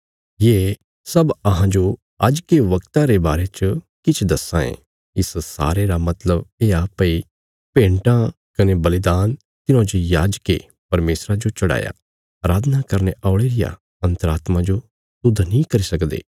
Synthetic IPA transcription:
jeː | sɐbɐɦãd͡ʒo | a̰ːd͡ʒkeʋɐkt̪aɾebaːɾet͡ʃ | kɪt͡ʃʰd̪ɐsːãḛ̃ | ɪssa̰ːɾeɾamɐt̪ləbeːapɐi | pẽːɳʈã | kɐnebɐlɪd̪aːn | t̪ɪnõd͡ʒojaːd͡ʒkḛ | pɐɾmeːsɾad͡ʒot͡ʃɐɽa̰ːja̰ | ɾaːd̪nakɐɾneʔaːʊɽeɾɪja̰ | ɐ̃nt̪əɾaːt̪mãd͡ʒo | sʊd̪ʱnĩkɐɾisɐkd̪ḛː

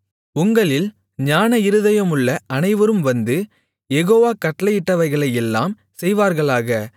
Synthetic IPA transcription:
ʊŋɡɐɭɪl | ɲaːnɐɪɾɯðɐjɐmɯɭːɐɐnɐɪʋɐɾɯmʋɐnd̪ɯ | jɛɣoːʋaːkɐʈːlɐjɪʈːɐʋɐɪɣɐɭɐjɛlːa̰ːm | sɛjʋaːɾɣɐɭaːɣɐ

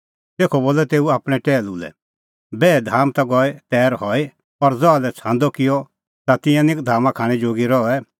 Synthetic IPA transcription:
t̪eːkʰɔboːlɛt̪eːuaːpɽ̃ɛ̃ʈɛːlulɛ̰ | bɛːd̪ʱaːmt̪aɡɔɛt̪ɛːɾɦɔi | ɔɾd͡zɔalɛt͡sʰãːnd̪ɔkɪjɔ | t̪at̪ɪ̃jãnɪk̚d̪ʱaːmãkʰaːɽ̃id͡ʒoːɡiɾɔɔɛ

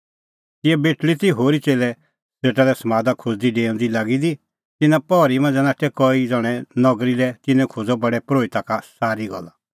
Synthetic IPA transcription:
t̪ɪɛbeːʈɭit̪iɦoːɾit͡ʃeːlɛ | seːʈ̬alɛsɐmaːd̪akʰʊd͡zd̪iɖeːũnd̪ilaːɡid̪i | t̪ɪnãpɔːɾimɐ̃nd͡zɛnatʰːɛkɔid͡zɔɽ̃ɛnɔɡɾilɛt̪ɪnɛ̃kʰʊd͡zɔbɐɽɛpɾoːit̪akasaːɾiɡɔla

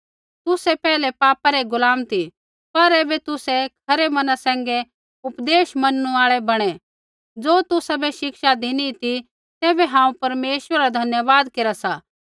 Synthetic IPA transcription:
t̪ʊsɛpɛːlɛpaːpaɾɛɡʊlaːmt̪i | pɐɾɛːbɛt̪ʊsɛkʰɐɾemɐnasɛ̃ːŋɡɛ | ʊpd̪eːʃmɐnnũaːɭɛbɐɽ̃ɛ | d͡zoːt̪ʊsabɛ̃ʃɪkʃad̪ɪnit̪i | t̪ɛːbɛɦãːũpɐɾmeːʃəɾaɾad̪ʱɐnjəʋaːd̪keːɾasaː

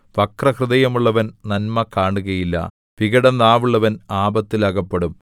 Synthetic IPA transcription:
pɐkrɐkrɨðɐjɐmuɭːɐʋɐnnɐnmɐkaːɳɖuɣɐjilːɐ̰ | piɣɐɽɐnːaːʋuɭːɐʋɐnaːbɐt̪ːilaːɣɐpːeɽum

